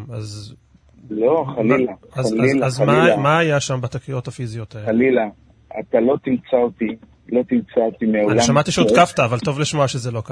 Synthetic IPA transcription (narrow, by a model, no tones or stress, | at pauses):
az | loχalilaazazmamaːjaʃambat̪akio̞tafizijo̞taelila | at̪alo̞t̪imt͡salt̪i | lo̞t̪imt͡sat̪imeaoanlaʃamatiʃeodkaftaːvalt̪o̞vliʃmoaʃezelo̞ka